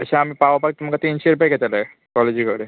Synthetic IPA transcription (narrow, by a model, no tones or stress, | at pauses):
əɕãamipaʋapak̚t̪um̤kat̪iːnɕeɾupajɡɛt̪ala | kɔled͡ʑikəɽe